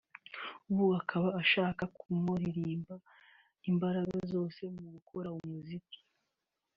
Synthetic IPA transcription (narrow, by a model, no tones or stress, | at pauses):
uβuakʰaβaːʃaːkakumoɾiɾiːmba | imbaɾaɡazo̞ːse̞muɡukʰoɾaumuziki̥